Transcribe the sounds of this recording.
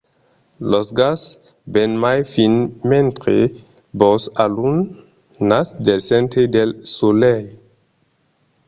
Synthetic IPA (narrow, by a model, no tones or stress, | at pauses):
losɡas | bɛnmajfinmẽnt̪ɾḛ | bɔsalunː | asd̪elsɛ̃nt̪ɾed̪elsolɛj